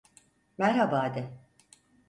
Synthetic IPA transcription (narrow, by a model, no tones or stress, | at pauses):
mæɾhabaːd̪ɪ